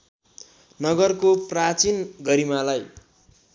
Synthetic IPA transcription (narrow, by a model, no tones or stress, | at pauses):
nʌɡʌrkoprat͡sinɡʌɾimalaj